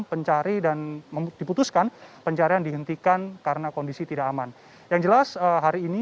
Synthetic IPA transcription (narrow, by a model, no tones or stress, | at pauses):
pəɲt͡ʃaɾidanmədiput̪uskanpəɲt͡ʃaɾijaŋdiɦənt̪ikankaɾənakondisit̪idaʔːman | jaŋd͡ʒəlasəɦaɾiːni